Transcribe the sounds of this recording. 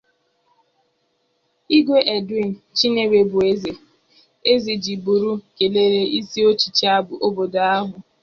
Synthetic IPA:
i˦ɡʷe˦ʔe˨di˦n̩˨t͡ʃi˦ne˨we˨bʊ˨e˦ze˨ | e˦zi˨d͡ʒi˨bu˨ɾu˦ke˨le˦ɾe˦i˦si˦o˦t͡ʃi̥˨t͡ʃi˦a˦bʊ˨ʔo˦bo˨do˨a˦ɦʊ˨

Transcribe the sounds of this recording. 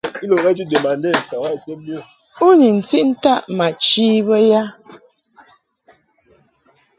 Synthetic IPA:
i˦lo˨ŋɛ˦d͡ʒi˦de˨ma˨n˦de˦˨sa˨wa˦i˨te˦mjo˦˨ | u˦ni˨n̩˨ti˦ʔn̩˦ta˦ʔma˨t͡ʃi˦bə˦ja˦

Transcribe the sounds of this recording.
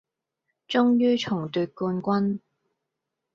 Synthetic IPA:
t͡ʃʊ˥ŋjyː˥t͡ʃʰʊ˨˩ŋt̪yː˨˧t̚kuː˧nkʷɐ˥n

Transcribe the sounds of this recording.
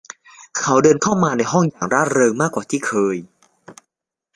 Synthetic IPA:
kʰa˦˥wdɤː˧nkʰa˥˩wmaː˧na˧jɦɔ˥˩ŋjaː˨˩ŋɾaː˥˩ɾɤː˧ŋmaː˥˩kːwaː˨˩t̪ʰiː˥˩kʰɤː˧j

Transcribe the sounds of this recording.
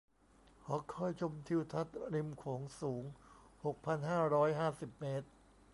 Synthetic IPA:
kʰɔː˩˦kʰɔ˥˩jt͡ɕʰo˧mt̪ʰi˧wt̪ʰa˦˥t̪̚ɾi˧mkʰoː˩˦ŋsuː˩˦ŋho˨˩k̚pʰa˧nɦaː˥˩ɾɔː˦˥jɦaː˥˩si˨˩p̚meː˦˥t̪̚

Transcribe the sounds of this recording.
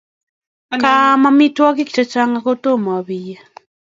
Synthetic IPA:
kamamitwɔ˦k̬i˦ki̥˨t͡ʃa˨t͡ʃaŋɡako˦to˦ma˨a˨βija

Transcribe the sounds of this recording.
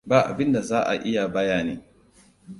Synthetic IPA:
baː˨ʔa̰˨bɪ˦nda˨zaː˦ʔa̰˨ʔɪ˦ja˨baː˦jaː˦˨nḛː˦

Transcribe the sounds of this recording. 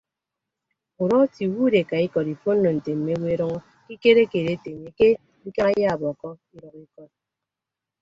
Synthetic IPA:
u˨ɾɔ˦ti˨wu˦de˨ka˨i˦kɔ˨ɾi˨fo˦n̩˦no˨n̩˨te˨m̩˨me˦we˦e˦ɾɔ˦ŋɔ˦ | ki˦ke˦ɾe˦ke˨ɾe˦te˨ŋe˨ke˦ | i˦ka˦a˦ja˦˨bɔ˨kɔ˦i˦ɾɔ˨ki˦kɔ˨t̚

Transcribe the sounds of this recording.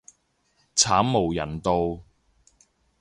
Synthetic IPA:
t͡sʰaː˨˥mmo˨˩wjɐ̰˨˩nt̪o˧w

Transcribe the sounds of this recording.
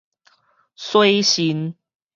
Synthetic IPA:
swe˦ɪɕi˧˦n

